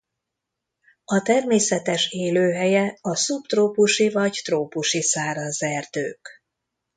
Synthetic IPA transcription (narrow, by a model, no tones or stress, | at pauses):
ɒt̪ɛrmeːsɛt̪ɛʃeːløːɦɛjɛɒsupt̪roːpuʃivɒɟt̪roːpuʃisaːɾɒnzɛrd̪øːk